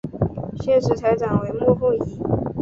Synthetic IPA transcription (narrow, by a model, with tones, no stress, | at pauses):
ɕjɛ˥˩nʂɻ̩˧˥t͡sʰa˧˥ɪʈ͡ʂa˨˩ŋwe˧˥ɪmwɔ˥˧fu˥˩ŋi˧˥